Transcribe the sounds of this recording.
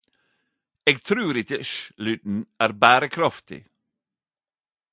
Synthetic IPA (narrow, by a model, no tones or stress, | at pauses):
eːɡt̪ʰɾʉːɾɪt̪ɪʃlʉdn̩æːɾbæːɾəkʰɾɑft̪ɪ̰